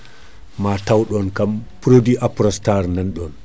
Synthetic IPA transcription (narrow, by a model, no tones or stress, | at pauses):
matawɗɔnkampɾodiʔapɾɔstaɾnanɗɔn